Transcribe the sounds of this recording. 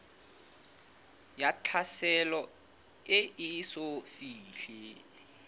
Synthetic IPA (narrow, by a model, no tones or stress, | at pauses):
jat͡ɬʰasɛlɔ | ɪʔisofiːɬɪ